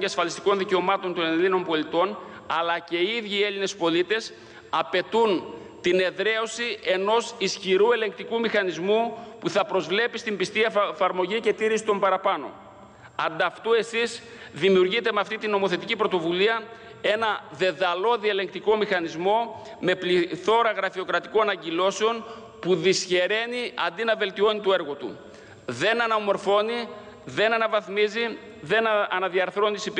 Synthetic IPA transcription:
eɐsfɐlist̪i̥ko̞nðice̞o̞mɐt̪o̞nt̪o̞nelino̞mpo̞lit̪o̞n | ɐlɐce̞iðʝiːe̞line̞spo̞lit̪e̞s | ɐpe̞t̪un | t̪ine̞ðɾe̞o̞sie̞no̞sisçiɾue̞le̞ŋk̚t̪ikumixɐnizmupuθɐpɾo̞zvle̞pist̪imbist̪iɐefɐɾmo̞ʝice̞t̪iɾisi̥t̪o̞mbɐɾɐpɐno̞̰ | ɐnd̪ɐft̪ue̞siz | ðimiuɾʝit̪e̞meɐft̪it̪ino̞mo̞θe̞t̪icipɾo̞t̪o̞vuliɐ | e̞nɐðe̞ðɐlo̞ðiele̞ŋk̚t̪iko̞mixɐnizmo̞ | me̞pliθo̞ɾɐɣɾɐfio̞kɾɐt̪iko̞nnɐɲɟilo̞seo̞n | puðisçe̞ɾe̞niɐ̰nd̪inɐve̞lt̪io̞nit̪o̞e̞ɾɣo̞t̪ṵ | ðe̞nɐnɐmo̞ɾfo̞ni | ðe̞nɐnɐvɐθmizi | ðe̞nɐnɐðiɐɾθɾo̞nisip

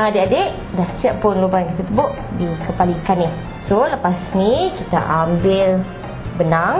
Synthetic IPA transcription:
adeʔadeʔ | dahsiaʔ̚pʊnlubajaŋkit̪at̪əbʊʔ | dikəpalikanih | soləpasnikit̪a̰ʔambɪl | bənaŋ

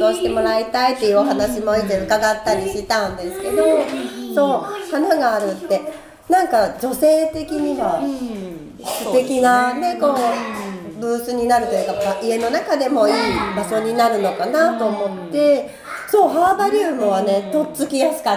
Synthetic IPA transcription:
oːɕi̥t̪e̞mo̞ɾait̪ait̪ːe̞jɯ̟oɦanaɕimoit̪eɯ̟kaɡat̪ːaɾʲiɕit̪ãɯ̃nd̪e̞sɨ̥ke̞d̪o̞so̞ːhanaɡaːɾɯ̟t̪ːe̞ | nãŋkad͡ʑo̞se̞ːt̪e̞kʲiɲ̟iβa | sɨt̪e̞kʲinane̞ko̞ː | bɯːsɨɲ̟inaɾɯ̟t̪o̞jɯ̟ːkaaʔie̞no̞nakad̪e̞mo̞iːbaɕo̞ɲ̟inaɾɯ̟no̞kanat̪o̞ːmo̞t̪ːe̞ | so̞ːɦaːbaɾʲɯːmɯ̟βane̞t̪o̞t͡sɨkʲijasɨ̥ka

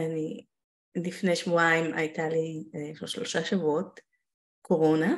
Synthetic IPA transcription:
ani | lifnejʃvuaimʔa̰jtalieʃoʃlo̞ʃaʃavuot̚ | kʰo̞ʁo̞na

